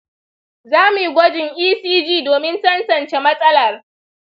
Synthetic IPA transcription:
zaː˦mu˨ji˨ɡʷɔ˦d͡ʒɪ˨ŋʔiː˦siː˦d͡ʒiː˦doː˨mɪ˦nsɐ˦nsɐ˨nt͡ʃe˦mɐ˦sʼɐ˦lɐ˨r

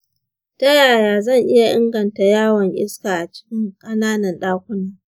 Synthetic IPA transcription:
ta˦jaː˨jaː˨zɐ˦˨ŋʔɪ˦ja˨ʔɪ˦ŋɡɐ˨nta˨jaː˦wɐ˨ŋʔɪ̰˦skaː˨ʔa˨t͡ʃɪ̥˦kʲɪ˦ŋkʼɐ˦naː˦nɐ˨nɗaː˦kʷʊ˦naː˦

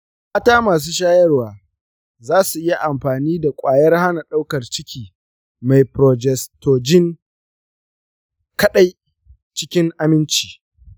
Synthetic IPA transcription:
maː˦taː˦maː˨s̬uː˦ʃ̬aː˦jɐ˦rwaː˨ | zaː˦su˨ʔɪ˦ja˨ʔa˨mɸaː˨niː˦da˨kʷʼaː˨jɐ˦rha˦na˨ɗa˦wkɐ˨rt͡ʃɪ˦kʲiː˨ | ma˨jpɾɔ˨d͡ʒɛ˨stoː˨d͡ʒɪ˦ŋ | kɐ˦ɗa˦j | t͡ʃɪ̥˦kʲɪ˦ŋʔa˨mɪ˦nt͡ʃi̥ː˨

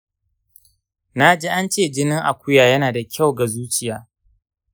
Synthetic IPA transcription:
na˦d͡ʒeː˦ʔa˦nt͡ʃeː˦˨d͡ʒɪ˦nɪ˦ŋʔa̰˨kʷʊ˦jaː˨jɐ˦naː˨da˨kʲʰa˦˨wɡa˨zuː˦t͡ʃɪ˨jaː˦

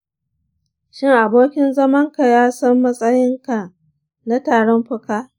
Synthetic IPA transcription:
ʃɪ˦ŋʔa˨boː˦kʲɪ˦nzɐ˦mɐ˦ŋka˨jaː˦sɐ˦mːɐ˦sʼɐ˦jɪ˦ŋka˨ | na˦taː˨ɽɔ˦mɸʊ˦kaː˦

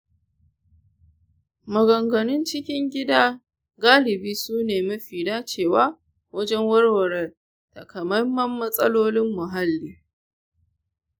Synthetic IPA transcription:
mɐ˨ɡɐ˨ŋɡɐ˨nʊ˦nt͡ʃɪ˦kʲɪ˦ŋɡʲɪ˦daː˦ | ɡaː˦lɪ˨biː˦suː˦neː˨mɐ˦ɸiː˨daː˦t͡ʃeː˦˨waː˦ | wɐ˦d͡ʒɛ˦ŋwɐ˦rwɐ˨ɾɛ˨r | tɐ˨kʰɐ˨mɐ˦mːɐ˦mːɐ˦sʼɐ˦loː˦lɪ˦mːʊ˨ɦa˦lːiː˦

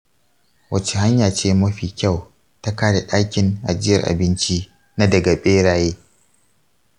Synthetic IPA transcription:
wɐ˨t͡ʃe˨ɦa˦ɲjaː˨t͡ʃeː˦mɐ˦ɸiː˨kʲa˦˨w | ta˦kaː˦ɽe˨ɗaː˦kʲɪ˨nʔa˨d͡ʒɪ˦jɐ̰˨rʔa̰˨bɪ˦nt͡ʃi˦ | na˦dɐ˨ɡa˨ɓeː˦ɽaː˨jeː˦

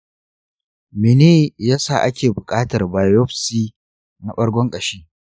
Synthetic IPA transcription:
me˨neː˦jaː˦saː˦˨ʔa˦kʲeː˨bʊ˨kʼaː˦tɐ˨rbaː˨jɔ˦ɸsiː˦ | na˨ɓɐ˦ɽɡʷɔ˦ŋkʼɐ˨ʃeː˦

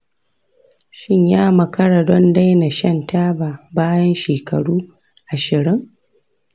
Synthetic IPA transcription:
ʃɪ˦ɲjaː˦mɐ˨kɐ˦ɽa˨dɔ˦nda˦jna˨ʃɐ˦˨ntaː˦baː˨baː˦jɐ˦nʃeː˨kʰɐ˨ɽuː˦ | ʔa˨ʃɪ˨ɾɪ˦ŋ

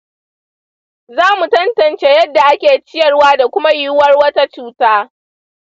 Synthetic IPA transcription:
zaː˦mu˨tɐ˦ntɐ˨nt͡ʃeː˦jɐ˦dːa˨ʔa˦kʲeː˨t͡ʃɪ˦jɐ˨rwaː˦da˨kʷʊ˦ma˦jʊ˦wɐ˦rwɐ˦ta˦t͡ʃuː˦taː˦

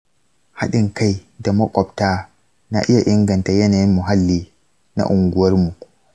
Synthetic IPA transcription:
ha˦ɗɪ˨ŋka˦jda˨mɔ˦kʷʼɔ˨b̚taː˦ | na˨ʔɪ˦ja˨ʔɪ˦ŋɡɐ˨nta˨jɛ˦naː˨ji˦mːʊ˨ɦa˦lːiː˦ | na̰˨ʔʊ˨ŋɡu˨wɐ˦ɾmu˨

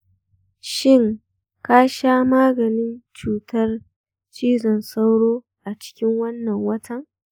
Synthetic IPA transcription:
ʃɪ˦˨ŋ | kaː˦ʃaː˦maː˦ɡɐ˨nɪ˦nt͡ʃuː˨tɐ˦r | t͡ʃiː˦zɔ˨nsa˦wɽoː˦ | ʔa˨t͡ʃɪ̥˦kʲɪ˦ŋwɐ˦nːɐ˨ŋwɐ˦tʰɐ˦ŋ

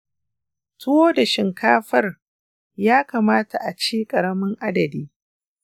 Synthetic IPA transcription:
tʰʊ˦woː˦da˨ʃɪ˨ŋkaː˦ɸɐ˦r | jaː˦kaː˨maː˦ta˨ʔa˨t͡ʃeː˦kʼɐ˨ɾɐ˦mɪ˦ŋʔa˦dɐ˨diː˦

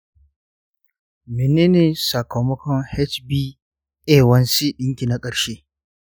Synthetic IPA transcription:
mɪ˨ne˦neː˨sa˨kɐ˨wmɔ˦kɔ˦ŋhɛ˦t͡ʃbiː˦ | ʔeː˦˨wɐ˦nsi˦ɗɪ˦ŋkʲi˨na˦kʼɐ˨ɽʃeː˦

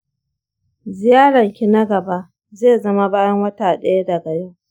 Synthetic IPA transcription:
zɪ˨jaː˦ɽɐ˨ŋkʲi˦na˦ɡɐ˨ba˦ʔ | zeː˦˨zɐ˦ma˦baː˦jɐ˦ŋwɐ˦taː˨ɗɐ˦ja˦da˨ɡɐ˨ɽe˦

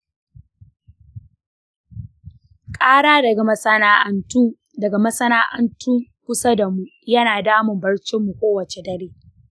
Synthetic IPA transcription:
kʼaː˦ɽaː˦dɐ˨ɡa˨mɐ˦sɐ˦naː˦ʔɐ˨ntuː˦ | dɐ˨ɡa˨mɐ˦sɐ˦naː˦ʔɐ̰˦ntʰuː˦kʷʊ˦sɐ˦dɐ˨mu˦jɐ˦naː˨daː˦mʊ˨mbɐ˦ɽt͡ʃɪ˦mːu˨kʷoː˦wɐ˨t͡ʃe˨dɐ˦ɾeː˦

